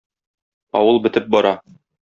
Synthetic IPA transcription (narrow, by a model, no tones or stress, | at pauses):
ɒ̰wɤlˠbɘ̆t̪ɘp̚bɒɾɑ